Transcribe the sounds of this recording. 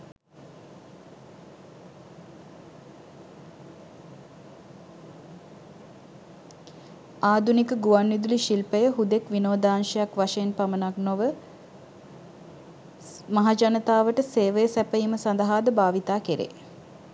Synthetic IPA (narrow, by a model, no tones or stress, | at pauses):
aːd̪unikəɡuʋanːid̪uliʃilpəjəɦud̪ekʋinoːd̪aːnʃəjakʋaʃeenpamənaknoʋə | maɦad͡ʒanət̪aːʋəʈəseːʋəjəsæpəjiməsand̪əɦaːd̪əbaːʋit̪aːkeɾḛː